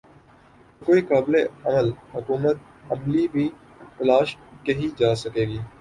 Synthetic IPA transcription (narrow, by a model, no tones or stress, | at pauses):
koːikaːbleɐməlhʊkuːmət̪̚ | ɐmlibʱiː | t̪ɐlaːʃkeɦid͡ʒaːsɐkeːɡiː